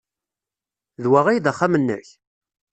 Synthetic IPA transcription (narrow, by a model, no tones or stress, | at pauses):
ðwaʁæjðæχːamənːə̰ç